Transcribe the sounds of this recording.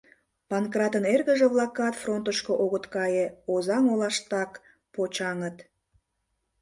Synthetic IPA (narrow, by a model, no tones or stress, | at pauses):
pɑnkrɑt̪ənerɣəʒeβlɑkːɑt̪front̪əʃkoʔoɣət̪kɑjeozɑŋolɑʃt̪ɑk | pot͡ɕɑŋət̪